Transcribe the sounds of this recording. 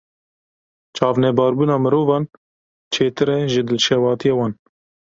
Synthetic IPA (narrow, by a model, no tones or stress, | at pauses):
t͡ʃʰɑːvnɛbɑːɾbuːnɑːmɨɾoːvɑːn | t͡ʃʰeːt̪ɨɾɛʒɨd̪ɨlʃɛwɑːt̪ʰijɑːwɑːn